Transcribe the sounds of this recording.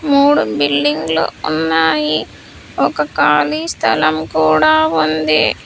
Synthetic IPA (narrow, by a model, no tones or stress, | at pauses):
muːɽubilːiŋɡlṵunːaːji | ɔkɐkaːlist̪ʰɐlɐmkuːɽaːʋond̪ḭ